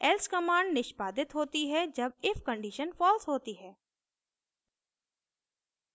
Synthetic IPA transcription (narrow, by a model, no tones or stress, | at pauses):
ɛlskɐmãːɳɖnɪʃpaːd̪ɪt̪ɦoːt̪iɦɛd͡ʒɐb̚ɪfkə̃ɳɖiːʃənfɔːlsɦoːt̪iɦɛː